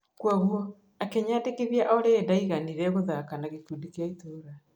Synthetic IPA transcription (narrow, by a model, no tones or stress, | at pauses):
kwaɣuɔ | akeɲaːdekeβjaʔoɾeːdaiɣaniɾɛɣoðakanaɣekuːdikiaitoɾa